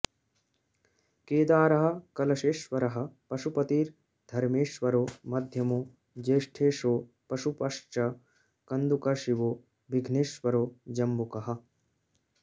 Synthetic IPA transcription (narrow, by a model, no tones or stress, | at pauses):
keːd̪aːɾɐɦɐ̆kɐlɐʃeːʃʋɐɾɐɦɐ̆pɐʃupɐt̪iːɾ | d̪ʱɐɾmeːʃʋɐɾoːmɐd̪ʱjɐmoː | d͡ʒeːʃʈʰeːʃoː | pɐʃupɐʂt͡ʃɐ | kɐnd̪ukɐʃiʋoː | biɡʱneːʃʋɐɾoːd͡ʒɐmbukɐɦɐ̆